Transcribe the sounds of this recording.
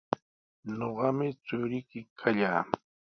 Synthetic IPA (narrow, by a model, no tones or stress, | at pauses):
noɢɑmɪt͡sʊɾɪkɪkʰaʎaː